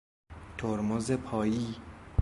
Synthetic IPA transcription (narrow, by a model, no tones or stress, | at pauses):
t̪ʰoɾmozepʰɒːjiː